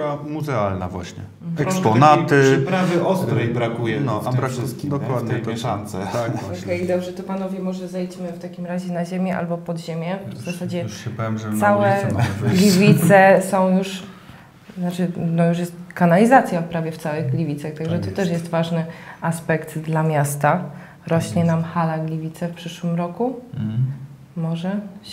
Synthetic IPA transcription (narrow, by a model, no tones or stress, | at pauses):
amuzɛalna̰vwa̰ɕɲɛ̰ | ɛkspɔnat̪ɘpɾavɪʔɔst̪ɾɛjbɾakujɛnɔabɾakd̪ɔkwad̪ɲɛt̪ɔansɛt̪aɔɛjd̪ɔbʐɛt̪ɔpanɔvʲjɛmɔʐɛzɛjt͡ɕmɘft̪akʲimɾaʑɛnaʑemʲjɛʔa̰lbɔpɔd̪ʑemʲjɛvzasad͡ʑɛɛpɛmʐsawɛlʲivʲit̪sɛsɔ̃w̃juʂ | nat͡ʂɘnɔjuʂ̬jɛst̪kanalʲizat̪sʲjapɾavʲjɛftsawɘɣɡlʲivʲit̪saxt̪aɡʐɛt̪ɔt̪ɛʂjɛst̪vaʐnɘaspɛkt̪d̪lamʲjast̪a | ɾɔɕɲɛnamxalaɡlʲivʲit̪sɛfpʂɘʂwɘmɾɔku | mɔʐɛ